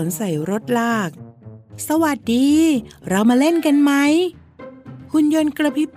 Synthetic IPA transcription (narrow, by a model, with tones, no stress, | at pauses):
o˩˦nsa˨˩˦jɾo˦˥t̪̚laː˥˩k̚sa˧wa˨˩t̪̚diː˧ɾa˧wmaː˧le˥˩nka˧nma˦˥j | kʰu˧njo˧nkɾa˧pʰi˦˥p